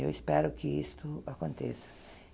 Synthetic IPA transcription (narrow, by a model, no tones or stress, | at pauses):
ḛwispɛɾʊkɪist̪ʊakõnt̪ḛsɐ̥